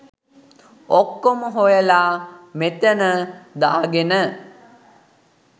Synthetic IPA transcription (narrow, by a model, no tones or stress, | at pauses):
okːoməɦojəlaːmet̪ənəd̪aːɡenə